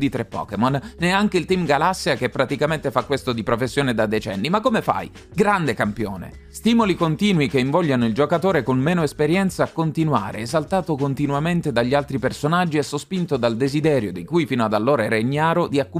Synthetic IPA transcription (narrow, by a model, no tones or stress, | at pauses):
d̪it̪ɾepːɔ̰ːkemɔnnɛaŋkeilt̪imɡalasːiakepːɾat̪ikament̪efakːwest̪od̪ipɾofesːjoːned̪ad̪et͡ʃɛ̰nːimakːomefa̰j | ɡɾand̪ekampjo̰ːnḛ | st̪iːmolikont̪iːnwikeiɱvɔʎːanoild͡ʒokat̪oːɾekonmeːnoespeɾjɛnt̪saːkːont̪inwa̰ːɾḛːzalt̪aːt̪okont̪inuament̪ed̪aʎːialt̪ɾipersonad͡ʒːiɛsːospint̪od̪ald̪ezid̪ɛːɾjod̪ikujfiːnoad̪alːoːɾaɛɾeɲːaːɾod̪iakːu